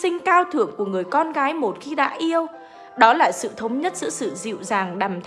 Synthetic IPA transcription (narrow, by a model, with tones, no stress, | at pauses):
ï˧ŋ̟kaː˧wt̪ʰɨ˧˩əŋku˧˩əŋɨ˨˩əjkɔ˧nɣaː˨˦jmo˨˩t̚xi˧ɗa̰ː˧˥ʔi˧əw | ɗɔ˨˦laː˨˩sɨ̰˧˨t̪ʰə˨˦wŋ͡mɲə˦˥t̚zɨ̰˧˥sɨ̰˧˨zḭ˧˨wzaː˨˩ŋɗaː˨˩mt̪ʰ